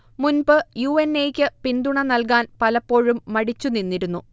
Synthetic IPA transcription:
munbɨjuːenːejkʲːɨpind̪uɳɐnɐlk̬aːnpɐlɐpːo̞ːɻumːɐɽit͡ɕːuninːiɾunːu

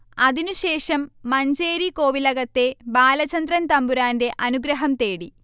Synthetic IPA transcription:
ɐðinuɕe̞ːʂɐmːɐɲd͡ʑeːɾiko̞ːʋilɐɣɐt̪ːe̞baːlɐt͡ɕɐnd̪rɐnt̪ɐmbuɾaːnde̞ʔɐnuɡɾɐɦɐmt̪e̞ːɽi

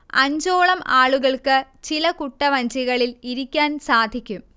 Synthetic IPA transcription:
ɐ̰ɲd͡ʑoːɭɐmaːɭuɣɐɭkɨ | t͡ɕilɐkuʈːɐʋɐɲd͡ʑiɣɐɭiliɾikʲːaːnsaːd̪ʱikʲːum

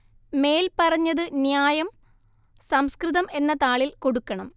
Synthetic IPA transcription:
me̞ːlpɐrɐɲːɐðɨnjaːjɐm | sɐmskrɨðɐme̞nːɐt̪aːɭilko̞ɽukːɐɳɐm

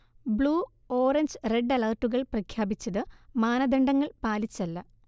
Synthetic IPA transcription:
bɭuː | oːrɐɲd͡ʑreɖːɐlɐrʈːuɣɐɭprɐkʰjaːbit͡ɕːɐðɨmaːnɐd̪eɳɖɐŋːɐɭpaːlit͡ɕːɐlːɐ

